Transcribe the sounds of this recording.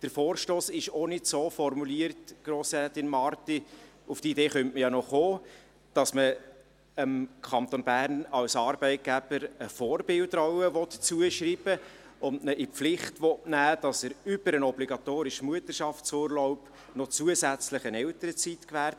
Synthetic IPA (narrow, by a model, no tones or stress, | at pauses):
d̥əɾfoːrʃtoːsɪʃɔnɪtsoːfɔrmuliərtɡ̥ɾoːsɾɛt̪ɪnmɑrti | uftideːχœntməjɑnɔχoː | d̥ɑsmə | əmkʰɑnt̪onbæːrnɑwsɑːɾbɛɪt̚ɡ̥æb̥əɾəfɔːɾbɪldɾɔwəʋɔtt͡suəʃɾiːb̥ə | ʊndnəʔɪpflɪχtʋɔtnæːd̥ɑsəɾʏb̥əɾənɔbliɡɑt̪oːɾɪʃəmuətərʃɑftsʊːɾlɔʊp | nɔt͡suəsæt͡sləχənɛwtəɾət͡sitkʋæːɾt